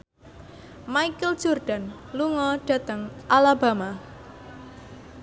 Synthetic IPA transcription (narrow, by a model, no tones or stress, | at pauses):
maikəl̥ʒ̥orɖ̥a̤n | luŋɔɖ̥a̤t̪əŋʔalaba̤ma